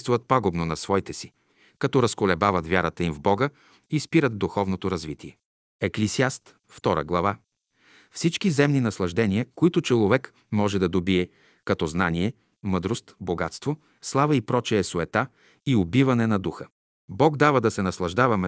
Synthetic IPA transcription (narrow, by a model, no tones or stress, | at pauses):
st̪vuvət̪̚paɡobnonɐsvɔjt̪ɛsi̥ | kɐt̪ɔɾɐskolɛbavɐt̪vʲjaɾət̪əimvbɔɡə | ispiɾəd̪d̪uxɔvnot̪oɾɐzvit̪iɛ | ɛklisiast̪ | ft̪ɔɾə̰ɡlˠɐva | fsit͡ʃkizɛmninɐslˠɐʒd̪ɛnʲiəkoit̪ʊt͡ʃɛlˠovɛk | mɔʒɛd̪ɐd̪obiɛ | kɐt̪ɔznaniɛ | mɤd̪ɾost̪boɡat̪st̪vo | slˠavəipɾɔt͡ʃɛːsoɛt̪a | iobivɐnɛnɐd̪uxə | bɔɡd̪avəd̪ɐsɛnɐslˠɐʒd̪avɐmɛ